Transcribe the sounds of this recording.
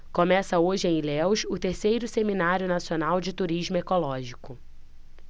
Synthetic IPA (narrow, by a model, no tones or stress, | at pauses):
kõmɛsɐoʒɪẽj̃lɛwʃʊt̪eɾsejɾʊseminaɾjʊnasionawd͡ʒɪt̪uɾiʒmʊekolɔʒikʊ